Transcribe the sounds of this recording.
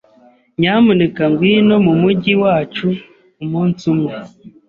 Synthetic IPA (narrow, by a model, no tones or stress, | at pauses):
ɲamunekaŋɡwiːno̞mumuɟiwaːt͡ʃu | umuːnt͡sume